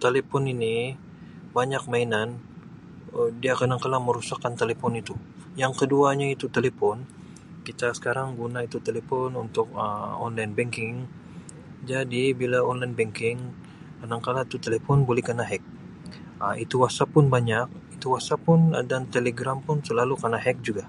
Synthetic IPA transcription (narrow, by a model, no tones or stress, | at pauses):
t̪elepɔnini | baɲak̚mainan | ədiakanaŋkalaməɾusakːant̪elepɔnit̪u | jaŋkəduaɲait̪ut̪elepɔn | kit̪asə̥kaɾaŋɡunait̪ut̪elepɔnunt̪ʊk̚əɔnlajnbɛŋkɪŋ | d͡ʒadibilaɔnlajnbɛŋkɪŋ | kənaŋkalait̪ut̪elepɔnbolɛhkənaɦɛk̚ | əit̪uwasapʊnbaɲak̚it̪uwasapʊndant̪eleɡɾampʊnsəlalukənaɦɛk̚d͡ʒuɡa